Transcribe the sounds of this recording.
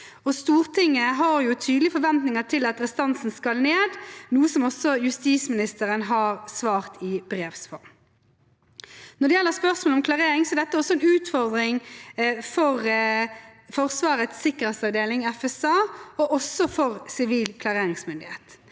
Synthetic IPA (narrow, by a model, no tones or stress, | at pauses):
ɔst̪uːɾt̪ʰɪŋːəɦɑɾjʊt̪ʰyːd̪lɪfɔɾʋɛnt̪nɪŋət̪ʰɪlɑt̪ɾɛst̪ɑnsn̩skɑlneːd̪nuːəsɔmɔsɔjʉst̪iːsmɪnɪst̪əɾənɦɑɾsʋɑːʁt̪ɪbɾeːʋsfɔɾm | nɔdɖ̪ɛjɛlːəɾspœʁsmolɔmkʰlɑʁeːɾɪŋsɔɛɾd̪ɛt̪ːəɔsːɔɛnʉːt̪fɔɾd̪ɾɪŋ | fɔʁ | fɔʁsʋɑːɾət̪sɪkːəʁhɛːsɑʋd̪eːlɪŋɛfɛsɑːɔʔɔsɔfɔʁsɪʋiːlkʰlɑʁeːɾɪŋsmʏnd̪ɪheːt̪